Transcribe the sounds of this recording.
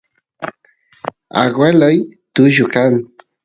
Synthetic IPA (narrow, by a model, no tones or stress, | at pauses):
a̰ɡwelojt̪ʊʒʊkaŋ